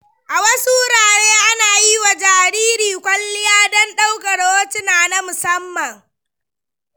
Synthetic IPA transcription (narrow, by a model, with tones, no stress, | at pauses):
ʔa˨wɐ˦su˦ɾaː˨ɽeː˦ʔa˦naː˨ji˦wa˨d͡ʒaː˨ɾiː˦ɾiː˨kʷɐ˦lːɪ˦jaː˦dɔ˦nɗa˦wkɐ˨ɽoː˦tɪ˦naː˨na˦mʊ˨sɐ˦mːɐ˨ŋ